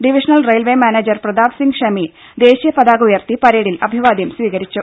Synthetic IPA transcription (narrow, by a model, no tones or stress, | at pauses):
ɖiʋiʂɐnɐlrejlʋemaːneːd͡ʑɐrprɐd̪aːʋsiŋɡʂɐmi | d̪e̞ːɕijɐpɐd̪aːɡujɐrt̪ipɐɾeːɽilɐbʱiʋaːd̪jɐmsʋiːɣɐɾit͡ɕːu